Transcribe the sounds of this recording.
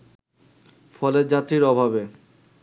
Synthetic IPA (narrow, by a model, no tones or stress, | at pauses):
fɔleɾd͡ʑat̪ːɾiɾɔbʱaβe